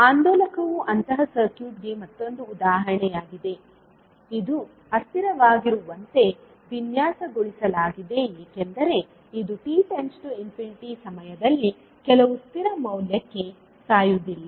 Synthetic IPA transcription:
aːnd̪ɔːlɐkɐʋuʔɐnt̪ɐɦɐsɐɾkjuːʈ̚ɡe̞mɐt̪ːo̞nd̪uːd̪aːɦɐɾɐɳɛjaːɡid̪e̞ | id̪u | ɐst̪iɾɐʋaːɡiɾuʋɐnt̪e̞ | ʋinjaːsɐɡoɭisɐlaːɡid̪e̞jeːkend̪ɐɾe̞ | id̪uʈiːʈensʈuimpʰjiniʈisɐmɐjɐd̪ɐlːi | kɛlɐʋust̪iɾɐmɐwljɐkːe | saːjud̪ilːɐ

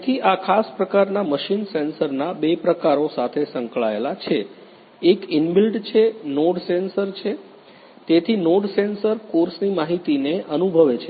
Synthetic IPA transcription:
t̪ʰiʔakʰaspɾəkaɾnaməʃinsensəɾnabepɾəkaɾosat̪ʰesəŋkɭaelat͡ʃʰeː | kinbilɖt͡ʃʰenoɖsensəɾt͡ʃʰe | t̪et̪ʰinoɖsensəɾkoɾsnimaɦit̪ineʔənubʱəʋet͡ʃʰe

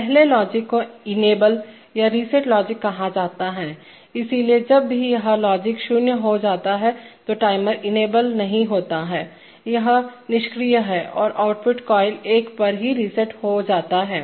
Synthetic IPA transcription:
pɛɦlelɔːd͡ʒɪkːoɪneːbəl | jaɾisɛʈlɔːd͡ʒɪkːɐɦad͡ʒaːt̪aɦɛː | ɪsilied͡ʒɐbːijɐɦãlɔːd͡ʒɪkʃʊnjəɦod͡ʒaːt̪aɦɛt̪oʈaːɪməɾɪneːbəlnɐɦĩɦoːt̪aɦɛː | jɐɦnɪʃkɾijaɦɛːʔɔ̰ːɾʔaːʊʈpʊʈkɔːɪleːkpɐɾɦiɾisɛʈhod͡ʒaːt̪aɦɛː

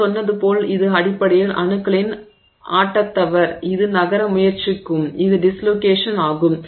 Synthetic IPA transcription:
ɔnːɐðɯpoːlɪðɯɐɽɪpːɐɽɐjɪɭʔɐ̰ɳɯkːɐɭɪn | ʔa̰ːʈːɐt̪ːɐʋɐɾɪðɯnɐɣɐɾɐmʊjɐɾt͡ʃɪkːɯmɪðɯɖɪsloːkeːʂɐnaːɣɯm

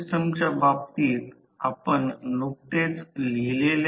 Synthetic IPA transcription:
st̪əmt͡ɕabap̚t̪iːt̪ | apəɳnok̚t̪et͡slilel

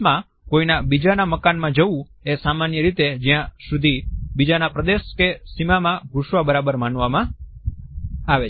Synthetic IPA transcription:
mã | koinabid͡ʒanaməkanmãd͡ʒəʋũ | esamanjəɾit̪ed͡ʒijãsud̪ʱibid͡ʒanapɾəd̪eʃkesimamãɡʱuʃʋabəɾabəɾmanʋamã | aʋe

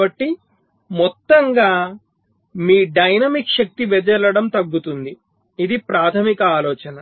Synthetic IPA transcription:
ɐʈːi | mɔt̪ːɐŋɡaː | miːɖɐjnɐmikʃɐk̚t̪iʋɛd͡ʒɛlɐɽɐmt̪ɐɡːut̪und̪iː | d̪ipɾaːt̪ʰɐmikɐaːlɔːt͡ʃɐnɐ

